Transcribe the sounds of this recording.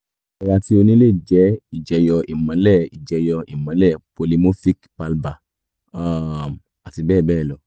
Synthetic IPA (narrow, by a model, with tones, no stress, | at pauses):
ɔ˧wa˧ti˧˦o˧nĩ˦le˦˨d͡ʒɛ˨˦i˦˨d͡ʒɛ˨˦jɔ˧ʔi˨mã˨˦lɛ˦˨i˨d͡ʒɛ˨˧jɔ˧i˨mã˨˦lɛ˦˨po˧li˧mo˦fi˦kpa˧lba˨ | a˦˨m | a˨ti˧bɛː˦˨bɛː˦˨lɔ˨